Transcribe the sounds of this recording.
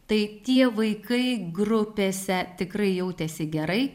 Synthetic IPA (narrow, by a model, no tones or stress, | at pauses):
t̪ɐɪt̪ʲiɛʋɐɪkɐɪɡrʊpʲeːsʲɛt̪ʲɪkrɐɪjɛʊt̪ʲɛsʲɪɡʲɛɾɐɪ